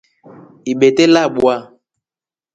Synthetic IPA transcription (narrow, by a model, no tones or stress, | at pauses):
iɓetelaɓua